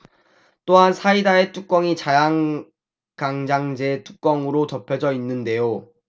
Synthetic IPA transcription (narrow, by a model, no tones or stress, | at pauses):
t͈oɦansʰaidae̞t͈ʰuk͈wʌŋit͡ɕajaŋ | kaŋd͡ʑaŋd͡ʑe̞tʰuk͈ʌŋɯɾot͡ɕʌpʰjʌd͡ʑʌinːɯnde̞jo